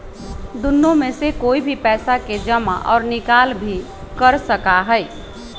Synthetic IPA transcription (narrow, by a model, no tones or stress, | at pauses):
d̪unːõmesekoibʱipɛːsaked͡ʒəma̰ʔɔ̰ːɾnɪkalbʱi | kəɾsəkaɦəj